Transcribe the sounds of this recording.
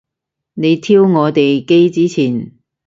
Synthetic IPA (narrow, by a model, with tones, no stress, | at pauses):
ne˨˧jt̪ʰiː˥wŋɔː˨˧t̪e˨jke˥jt͡siː˨˥t͡sʰiː˨˩n